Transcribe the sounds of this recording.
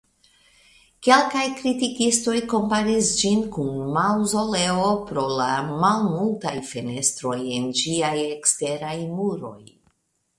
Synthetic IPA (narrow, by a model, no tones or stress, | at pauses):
ke̞lkajkɾitikisto̞jko̞mpaɾisd͡ʒinkunmawzo̞le̞o̞pɾo̞lamalmultajfe̞ne̞stɾo̞je̞nd͡ʒiaje̞kste̞ɾajmuɾo̞̰j